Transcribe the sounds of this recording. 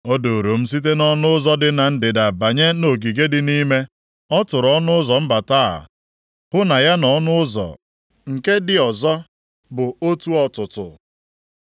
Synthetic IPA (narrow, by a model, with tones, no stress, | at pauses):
o˦do˨ɾo˨m̩˦s̬i˦t̬e˦nɔ˦nʊ˦ʊ˦zɔ˦dɪ˨na˨n̩˦dɪ˨da˨ba˨ɲe˦no˨ɡi˨ɡe˦dɪ˨ni˦me˦ | ɔ˦tʊ˨ɾɔ˦nʊ˦ʊ˦zɔ˨m̩˦ba˨taː˦a̰˨ | hʊ˦na˨ja˦nɔ˦nʊ˦ʊ˦zɔ̰˨ | ŋ̩˨ke˦dɪ˨ɔ˨zɔ˦ | bʊ˨o˦tu˦ɔ˨tʊ˨tʊ̰˨